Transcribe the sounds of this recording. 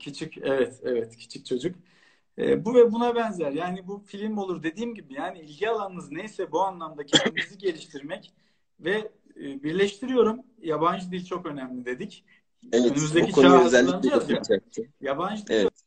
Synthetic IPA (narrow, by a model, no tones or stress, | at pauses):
cʰit͡ʃʰicɛvɛt̪ʰɛvɛt̪cʰi̥t͡ʃʰi̥k̚t͡ʃʰo̞d͡ʒuk | ɛ̰ːbuvɛbunabɛnzæɾjaːnibufilʲimo̞lˠuɾd̪e̞d̪iːmɟibijaːniilʲɟialˠanɯmɯznejsɛbuanlˠamd̪acʰɛnd̪imiziɟe̞lʲiʃt̪ʰiɾmɛc | vɛː | biɾlʲɛʃt̪ʰiɾijo̞ɾum | jaband͡ʒɯd̪ilʲt͡ʃʰo̞kø̞næmlʲid̪e̞d̪ic | ɛønymyzd̪ecit͡ʃoaøazælʲːaaajaband͡ʒɯd̪i